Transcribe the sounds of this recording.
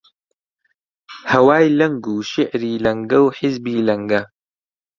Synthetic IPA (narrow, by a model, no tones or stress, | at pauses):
hɐwaːjlɐŋɡuːʃɪʕɾiːlɐŋɡɐwħɪzbiːlɐŋɡɐ